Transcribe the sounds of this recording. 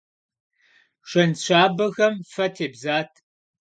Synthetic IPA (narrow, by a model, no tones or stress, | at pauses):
ʂʷɐnɕʷʰaːbɐɣɐmfɐtʰeːbzaːtʰ